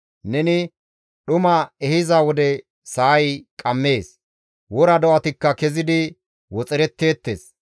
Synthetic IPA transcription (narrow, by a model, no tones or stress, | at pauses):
nɛnɪ | ɗʊmɐɛhɪzɐwɔd̪ɛ | saːjkʼɐmːe̞ːs | wɔɾɐd̪ɔʔɐt̪ɪkːɐkɛzɪd̪ɪ | wɔt͡sʼɛɾɛt̪ːe̞ːt̪ːe̞̰ːs